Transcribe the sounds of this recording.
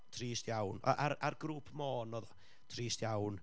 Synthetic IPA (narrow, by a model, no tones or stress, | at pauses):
tʰriːstjawna̰ʔaɾarɡruːpʰmoːnɔðɔ | tʰriːstjawn